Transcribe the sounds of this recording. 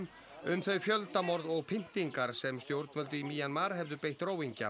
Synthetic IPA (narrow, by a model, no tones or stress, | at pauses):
ʏmθœɥfjœlt̪amɔɾðɔɣpʰɪn̥t̪iŋkaɾ̥sɛmst̪jowɾt̪nvœlt̪ʏimiːjanmaːɾɦɛvðʏpejht̪roːwiɲca̰